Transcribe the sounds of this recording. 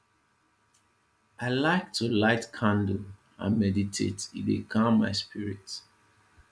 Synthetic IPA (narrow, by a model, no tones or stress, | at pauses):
aɪlaɪk̚tʰulaɪtkʰãndo | ã̰nmɛditʰḛtḭdḛkʰãmːa̰ɪspʰiɹit